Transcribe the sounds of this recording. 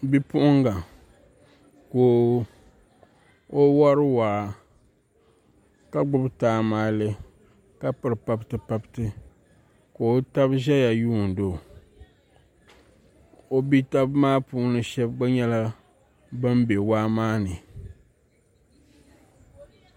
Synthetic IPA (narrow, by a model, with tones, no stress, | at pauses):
bi˦pʊ˦ʔʊ˦ŋɡa˨ | koː˨ | o˦wa˦ɾɨ˦waː˨˦˨ | ka˦ɡ͡bʊ˦btaː˨˦maː˦lɨ˦ | ka˦pɨ˨ɾɨ˨pa˦btɨ˨pa˦btɨ˦ | ko˨o˦ta˦bʒɛ˦ja˨juː˦˨n̩˨do˨ | o˦bi˦ta˦bmaː˦puː˦nɨ˨ʃɛ˦bɡ͡ba˦ɲɛ˦la˦ | bɨ˦mbe˨waː˦maː˦nɨ˨